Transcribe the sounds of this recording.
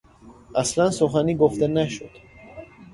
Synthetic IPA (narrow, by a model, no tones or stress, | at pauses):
aslansoχaniɡoft̪ɛnæʃud̪̥